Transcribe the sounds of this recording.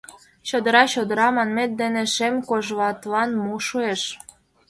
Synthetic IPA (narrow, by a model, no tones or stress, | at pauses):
t͡ɕod̪əɾɑt͡ɕod̪əɾɑmɑnmet̪̚d̪eneʃemkoʒβɑt̪lɑnmuʃueʃ